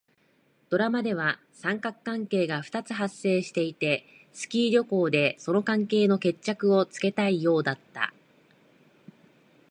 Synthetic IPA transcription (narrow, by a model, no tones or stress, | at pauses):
d̪̥o̞ɾamad̪e̞β̞a | sãŋkakɯ̥kãŋke̞ːɡaɸɯ̟̥t̪at͡sɨɦasːe̞ːɕi̥t̪e̞it̪e̞ | sɨ̥kʲiːɾʲo̞ko̞ːd̪e̞so̞no̞kãŋke̞ːno̞ke̞t͡ɕt͡ɕːakɯ̟o̞t͡sɨ̥ke̞t̪aijo̞ːd̪at̪ːa̰